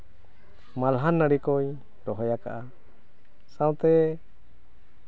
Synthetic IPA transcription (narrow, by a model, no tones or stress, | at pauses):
malɦanːəɽikɔj | ɾɔɦɔjaka̰ʔa | sãw̃t̪ɛ